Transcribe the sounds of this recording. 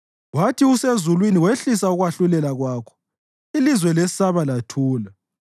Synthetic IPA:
watʰiusezulwiniweɬisauɣwaɬulɛlaɣwaːkʰɔ̥ | ilizwɛlesi̥saβalatʰuːla

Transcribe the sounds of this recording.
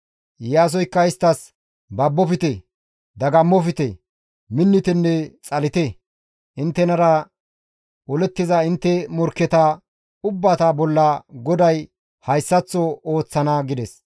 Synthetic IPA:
jaːs̬ɔjkːɐɪst̪ːɐs | bɐbːɔfɪt̪ɛ | d̪ɐɡɐmːɔfɪt̪ɛ | mɪnːɪt̪ɛnːɛt͡sʼɐlɪt̪ɛ | ʔɪnt̪ːɛnɐɾɐ | wɔlɛt̪ːɪzɐɪnt̪ːɛmɔɾkːɛt̪ɐ | ʊbːaːt̪abɔlːɐɡɔd̪ɐj | hɐjsːɐt͡sːɔoːt͡sːɐnɐɡɪd̪ɛs

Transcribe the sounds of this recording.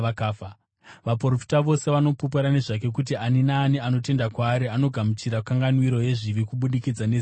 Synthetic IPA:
akaːfa | ʋaporofi̥taʋo̞se̞ʋano̞pup̬oɾane̞ʐak̬e̞k̬ut̬ianinaːniano̞te̞ndakwaːɾiano̞ɡʱamut͡ʃiɾakaŋɡanwiɾo̞je̞ʐiʋikuɓuɗikid͡zane

